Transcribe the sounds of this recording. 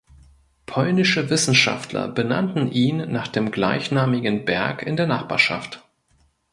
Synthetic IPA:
pʰɔlnɪʃəvɪsn̩ʃa̰ftʰlɐ̰bəna̰ntn̩ʔiːnːaːχd̥eːmɡla̰ɪçnaːmɪɡən̩bɛɐkɪndeːɐnaχb̥a̰ːɐʃa̰ft

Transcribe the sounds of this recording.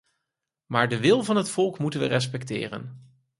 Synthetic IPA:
maːɹdəʋɪlˠvɑnɦətfɔlˠkmutənʋərɛs̬pɛktɪ̰ːrə̰n

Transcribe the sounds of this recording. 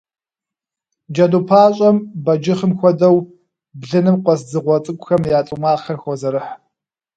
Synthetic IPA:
d͡ʒɐduːpʰaːɕʼɐmbɐd͡ʒɪχəmxʷɔdɐw | bɮɨnɨmqʷʼɔsd͡zɨʁʷɔt͡sʼɨkʷʼxɐmjaːt͡sʼɨmaːxɐrxʷɔzɐɾɨħ

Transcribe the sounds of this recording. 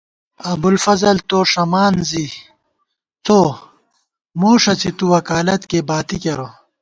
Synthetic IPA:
ɐbulfɐzɐlt̪oːʂɐmaːnzi | t͡soː | moːʂɐt͡sit̪uwɐkaːlɐt̪kebaːt̪ikɐɾo

